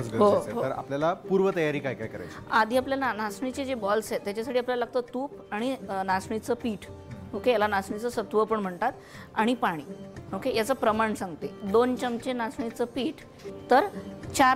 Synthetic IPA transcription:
t͡sɡəɦoeɦot̪əɾa̰pljalapuɾʋət̪əjaɾiːkajkajkəɾa̰jad̪ʱiːapljalanasɳit͡ɕed͡ʑebɔlsɦet̪ːjat͡ɕasaʈʰiapljalaləɡ̚t̪ət̪uːp | aɽ̃inasɳit͡səpiːʈokejalanasɳit͡səsət̪ʋəpəɳm̤əɳt̪at̪ | aɽ̃ipaɽ̃iːokejat͡səːpɾəmaɳsãŋɡt̪ed̪ont͡ɕəmt͡ɕenasɳit͡səpiːʈ | t̪əɾt͡ɕa

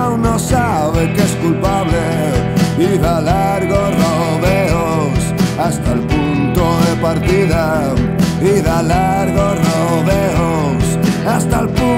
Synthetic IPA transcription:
wnosa | βekeskulpaβle | βiðala | ɾɣoro | βeo | sast̪alpunt̪oðepaɾt̪iða | biðala | ɾɣoro | ðeo | s | ast̪alpu

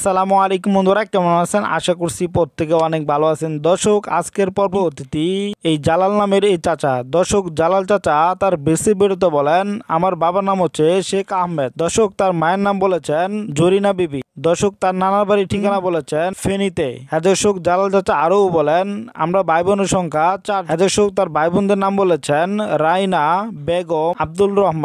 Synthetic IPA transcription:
salamualejkumund̪oɾɛk̚ːamonasʰena̰ʃakuɾsipoɾt̪ʰːekeɔnek̚bʱaloasʰend̪ɔʃoka̰skeɾpɔɾbʱot̪it̪iejd͡ʑalalnameɾejt͡ɕat͡ɕad̪ɔɾʃokd͡ʑalalt͡ɕat͡ɕat̪aɾbesibeɽut̪̬obɔlena̰maɾbabanamot͡ɕʰeʃekaɦmed̪̚d̪ɔʃok̚t̪aɾmaenːambolet͡ɕʰend͡ʑoɾinabibid̪ɔɾʃok̚t̪aɾnanabaɾiʈʰikanabolet͡ɕʰenfenit̪ḛɦɛd̪oʃokd͡ʑalalt͡ɕat͡ɕaaɾowbɔlena̰mɾabajbonoʃɔŋkʰat͡ɕaɦɛd̪oʃok̚t̪aɾbajbond̪eɾnambolet͡ɕʰenɾajnabeɡoab̚d̪ulɾɔɦmann

